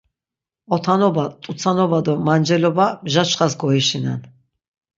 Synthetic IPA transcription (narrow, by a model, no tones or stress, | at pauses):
ɔt̪ʰanɔbat̪ʼusʰanɔbad̪ɔmand͡ʒɛlɔbamʒat͡ʃχasɡɔiʃina̰n